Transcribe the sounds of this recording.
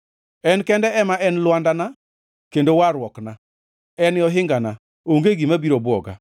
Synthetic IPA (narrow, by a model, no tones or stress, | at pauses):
ɛnkɛndɛɛmaʔɛnlwandana | kendowaɾwɔkna | ɛnɪɔɦɪŋɡana | oŋɡeɡimabiɾobʊɔ̰ɡa̰